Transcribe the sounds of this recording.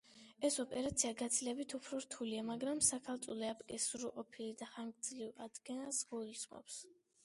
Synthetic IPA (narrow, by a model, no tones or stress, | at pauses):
ɛsɔpʼɛɾat̪sʰiaɡat̪sʰilɛbit̪ʰupʰɾɔɾt̪ʰuliamaɡɾamsakʰalˠt̪sʼulɛapʼkʼɛsuɾuqʼɔpʰilid̪aχaŋɡd̪zlivad̪ɡɛnasɡɔismɔ̰ps